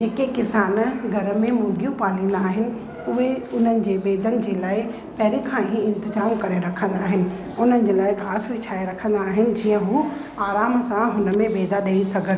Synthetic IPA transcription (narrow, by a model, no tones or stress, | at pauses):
d͡ʑeːkekɪsaːnɡʱɐɾə̆mẽmʊ̃ːɡʱjũpaːlĩːnd̪aːɦɪnɪ̆ | ʊɦeʊn̤ənɪ̆d͡ʑeːɓeːd̪ənɪ̆d͡ʑeːlaːɪ | pɐɦɾikʰãːɦiɪ̃nt̪ɪzaːmkɐɾeɾɐkʰə̃nd̪aːɦɪnɪ̆ | ʊn̤ənɪ̆d͡ʑeːlaːɪkaːsʋit͡ɕʰaːeɾɐkʰə̃nd̪aːɦɪnɪ̆d͡ʑiːə̃ɦũː | aːɾaːmsãɦʊnə̆mẽbeːd̪aɗɐisɐɡʱən